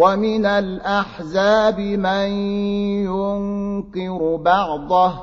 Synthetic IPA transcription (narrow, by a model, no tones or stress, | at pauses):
wamɪnalʔaħzaːbɪmanjʊŋkɪɾʊbɑʕd̪ˤɑ